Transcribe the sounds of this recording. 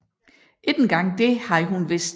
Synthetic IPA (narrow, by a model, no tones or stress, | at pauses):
ʔed̥nɡ̥ɑ̈ŋ̰d̥e̝hɑ̈ɦunʋe̝sd̥